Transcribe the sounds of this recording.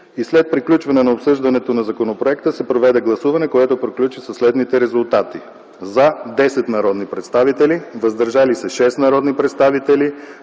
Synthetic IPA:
islɛt̪̚pɾiklʲut͡ʃvɐnɛnɐopsɤʒd̪ɐnɛt̪onɐzɐkonopɾoɛkt̪əsɛpɾovɛd̪ɛɡlˠɐsuvɐnɛkoɛt̪opɾiklʲut͡ʃisɐslɛd̪nit̪ɛɾɛzʊlˠt̪at̪i | zɐd̪ɛsɛt̪nɐɾɔd̪nipɾɛt̪st̪avit̪ɛlivɐzd̪ɐɾʒalisəʃɛst̪nɐɾɔd̪nipɾɛt̪st̪avit̪ɛli

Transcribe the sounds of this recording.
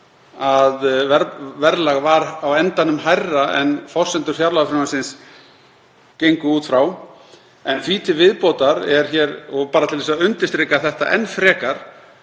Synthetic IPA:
aðvɛɾvɛɾlaɣvaɾawɛnt̪anʏmɦajrːaʔɛ̰nfɔ̥sɛnt̪ʏɾ̥fjaɾlaɣfɾɪɾnasɪns | cejŋkʏuːt̪fɾaw | ɛnfiːt̪ʰɪvɪðpoːwt̪aɾɛɾ̥çɛːɾɔɣpaːɾat̪ʰɪlɛsaʏnt̪ɪst̪ɾɪkaθɛht̪a̰ʔɛnːfɾɛːkaɾ̥

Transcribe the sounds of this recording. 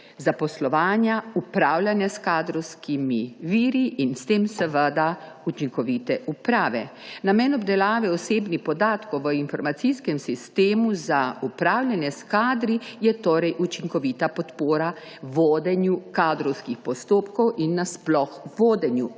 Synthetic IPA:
zapɔslɔʋaːnjaupɾaːwlʲjanjaskaːd̪ɾɔwskʰimiʋiːɾiʔːnst̪eːmsɛʋəd̪a | ut͡ʃiŋkɔʋiːt̪ɛʔupɾaːʋɛnamɛnɔbd̪ɛlaːʋɛɔseːbnixpɔd̪aːt̪kɔwʋəinfɔɾmat̪siskɛmsist̪eːmuzaupɾaːwlʲjʲanjɛskaːd̪ɾijɛt̪oːɾɛjʔut͡ʃiŋkɔʋit̪apɔt̪poːɾa | ʋoːd̪ɛnjukaːd̪ɾɔwskixpɔst̪oːpkɔwʔinːasplɔxʋoːd̪ɛnju

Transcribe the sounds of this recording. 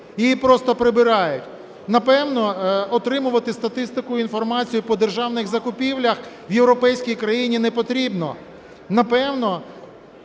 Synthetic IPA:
ijipɾɔst̪ɔpɾebɪɾɑjʊtʲ | nɐpɛwnɔɔt̪ɾɪmʊʋɐt̪ɪst̪ɐt̪ɪst̪ɪkʊinfɔrmɑt͡sʲijʊpɔd̪erʒɑwnɪɣzɐkʊpʲiwlʲɐx | ʋjewɾɔpɛjsʲkʲijkɾɐjinʲinɛpɔt̪ɾʲibnɔ̰ | nɐpɛwnɔ

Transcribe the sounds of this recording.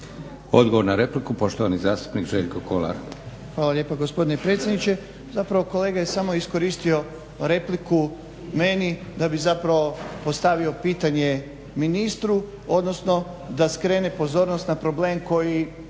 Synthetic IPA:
o̞d̪ɡoʋo̞ɾnaɾe̞plikupo̞ʃt̪oʋanizaːst̪u̥pnikʒeːʎkokʰolˠa̰ɾ | xʋaːlaʎe̞ːpaɡo̞spo̞d̪ine̞pɾe̞t̪sʲjed̪nit͡ʃe̞ | zapɾaʋo̞ko̞leːɡaje̞samo̞isko̞ɾiːst̪io̞ | ɾe̞pliku | me̞nid̪abizapɾaʋo̞po̞st̪aʋio̞piːt̪aɲe̞ | minist̪ɾu | o̞d̪no̞sno̞ | d̪askɾe̞ːne̞po̞zo̞ːɾnost̪napɾo̞ble̞ːmko̞ji

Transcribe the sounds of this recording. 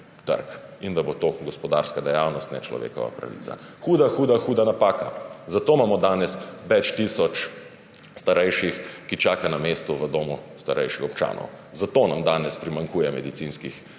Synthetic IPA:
t̪ə̰ɾkind̪abot̪oɡɔspɔd̪a̰ɾskad̪ɛjawnɔst̪nɛ̰t͡ʃlɔ̰ʋḛːkɔ̰ʋa̰pɾa̰ʋḭt̪sa̰xuːd̪axuːd̪axuːd̪anapaːka̰zat̪oːmaːmɔd̪aːnɛsʋɛt͡ʃt̪isɔt͡ʃ | st̪aɾɛjʃixkit͡ʃaːkanameːst̪uʋəd̪oːmust̪aɾʔɛjʃixɔp̚t͡ʃa̰ːnɔ̰w | zat̪onamd̪aːnɛspɾimaŋkuːjɛmɛd̪isinskix

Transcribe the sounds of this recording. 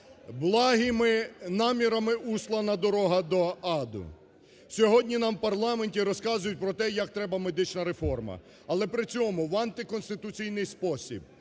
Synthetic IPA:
blˠɑɦimɪnɑmʲiɾɐmɪuslˠɐnɐd̪ɔɾɔɦɐd̪ɔɑd̪ʊ̰ | sʲɔɦɔdʲnʲinɑmpɐrlˠɑmenʲtʲiɾɔskɑzʊjʊt̚ʲpɾɔt̪ɛjɐk̚t̪ɾɛbɐmed̪ɪt͡ʃnɐɾefɔrmɐ̰ | ɐlˠɛpɾɪt͡sʲɔmʊwɐnt̪ɪkɔnst̪ɪt̪ʊt͡sʲijnɪjspɔsʲḭb̚

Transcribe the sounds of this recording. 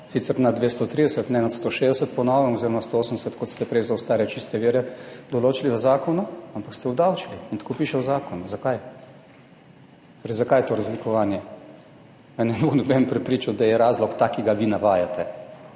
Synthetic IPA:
siːt̪sɛɾnad̪ʋest̪ɔt̪ɾiːd̪ɛsət̪nɛnat̪st̪oːʃeːzd̪ɛsət̪̚pɔnɔːʋɛmɔzeːɾɔmast̪ooːsəm̩nd̪ɛsət̪kɔt̪st̪ɛpɾɛjzaʊst̪aːɾɛt͡ʃist̪ɛʋiːɾɛd̪ɔloːt͡ʃiliʋəzaːkɔnuampakst̪ɛɔbd̪awt͡ʃiliint̪ḁkopiːʃɛzaːkɔnuzakaj | t̪oːɾɛjzakajt̪oɾazlikɔʋaːnjɛ | mɛnɛnbonɛbɛmpɾɛpɾiːt͡ʃawd̪ajɛɾaːzlɔkt̪aːkiɡaʋinaʋaːjat̪ɛ

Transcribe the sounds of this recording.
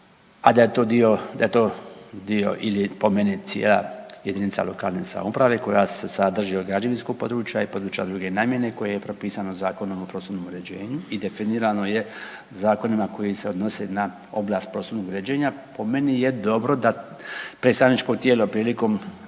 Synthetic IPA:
ad̪ajet̪oːd̪io̞d̪aje̞t̪oːd̪io̞̰ʔilipo̞menit̪sjḛːla̰jed̪init̪sa̰lo̞̰ka̰ːlˠne̞̰sa̰mupɾaʋe̞ko̞jasesad̪r̩ʒioɡɾad͡ʒeʋinskoɡ̚po̞d̪ɾut͡ʃjaipo̞d̪ɾut͡ʃjad̪ɾuɡe̞naːmje̞ne̞ko̞jejepɾo̞piːsanozaːko̞nomo̞pɾo̞sunomuɾed͡ʑeːɲuid̪efiniɾanoje | zaːko̞nimako̞jiseod̪no̞sena | o̞̰blˠaːst̪̚pɾo̞sunoɡuɾed͡ʑeːɲapo̞me̞nijed̪o̞bɾo̞d̪a | pɾet̪st̪aʋnit͡ʃkoɡt̪jeːlopɾiːliko̞m

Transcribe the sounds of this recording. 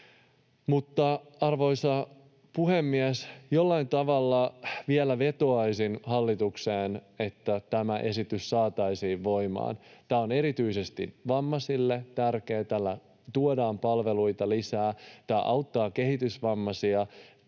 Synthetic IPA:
mut̪ːɑɑrʋo̞jsɑ | puhemːiæsjolːɑint̪ɑʋɑlːɑʋielæʋe̞t̪oɑjsinhɑlːit̪ukseːne̞t̪ːæt̪æmæʔe̞sit̪yssɑːt̪ɑjsiːʋʋo̞jmɑ̰ːnt̪æːo̞ne̞ɾit̪yise̞st̪ḭʋɑmːɑsilːet̪ærkeːt̪ælːæ | t̪uodɑːmpɑlʋe̞lujt̪ɑlisæːt̪ɑːʔɑwt̪ːɑːke̞hit̪ysʋɑmːɑsiɑ

